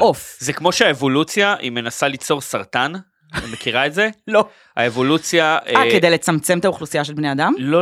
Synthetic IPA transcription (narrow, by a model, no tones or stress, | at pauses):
ʔofzekmo̞ʃeaevo̞lut͡sjaʔḭme̞nasalit͡so̞ʁsaʁt̪an | me̞kiʁaetze̞lo | a̰evo̞lut͡sjaakedejlet͡samt͡semt̪auχlusijaʃelbnead̪amlo